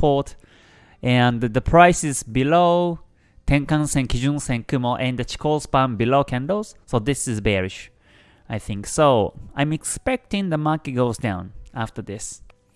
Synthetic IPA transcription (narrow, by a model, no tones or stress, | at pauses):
pʰɔt | ɛ̃nðəpʰɹ̥aɪsɪzbiloʊ | tʰɛ̃ŋkãnsɛ̃nkʰid͡ʒũnsɛ̃nkʰuməʔɛ̃nðət͡ʃi̥kʰolspãmbiloʊkʰɛ̃ndoʊz̥soʊðɪsɪzbɛɹɪʃ | aɪθɪ̃ŋksoʊã̰ɪ̃mɛkspɛk̚tɪ̃ŋðəmaɹkɨt̚ɡ̥oʊzdã̰ʊ̃naftə˞ðɪs